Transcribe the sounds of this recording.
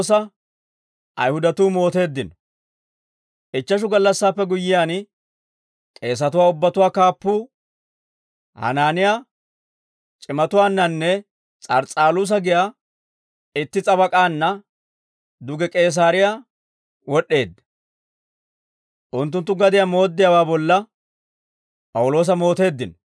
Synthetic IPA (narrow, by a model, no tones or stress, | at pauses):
s̬ɐ | ʔɐ̰jhʊd̪ɐt̪uːmo̞ːt̪e̞ːd̪ːɪnɔ | ʔɪt͡ʃːɐʃ̬ʊɡɐlːɐsːaːpːɛɡʊjːɪjaːn | kʼe̞ːs̬ɐt̪̬ʊwaːʊbːɐt̪ʊwaːkaːpːuː | hɐ̰naːnɪjaː | t͡ʃʼɪmɐt̪ʊwaːnːɐnːɛ | t͡sʼɐɾt͡sʼaːluːs̬ɐɡɪjaː | ɪt̪ːɪt͡sʼɐbɐkʼaːnːɐ | d̪ʊɡɛkʼe̞ːs̬aːɾɪjaː | wɔɗːe̞ːd̪ːɐ | ʔʊnt̪ːʊnt̪ːʊɡɐd̪ɪjaːmo̞ːd̪ːɪjawaːbɔlːɐ | pʼɐwʊlo̞ːs̬ɐmo̞ːt̪e̞ːd̪ːɪn